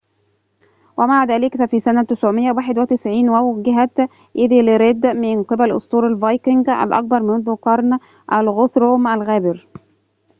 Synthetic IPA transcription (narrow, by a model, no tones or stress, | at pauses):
wʔæmaʕaðæːlɪkfæfiːsænæt̪ɪsʕʊmɪʔːawaːħɪd̪wɪt̪ɪsʕiːnwæwɡɪɦæt̪ | ʔɪðilɪɾɪd̪ːmɪnqɨbælʔʊ̰sˤt̪ˤuːɾalvɑjkɪŋɡæ̰lʔɑ̰k̚bɑɾˤmʊnðʊqɑɾˤn | ʔælɣʊθɾoːmʔælɣæːbɪɾ